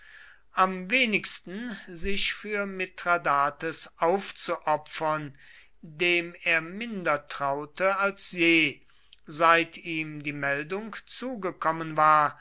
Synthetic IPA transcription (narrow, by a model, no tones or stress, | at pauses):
ʔamveːnɪkstn̩zɪʃfyːɐmɪtʁ̥adaːtəsʔaʊft͡suʔɔpfɐn | deːmeːɐmɪndɐtʁ̥aʊtəalsjeː | zaɪtʰiːmdiːmɛldʊŋkt͡suːɡəkɔmənvaːɐ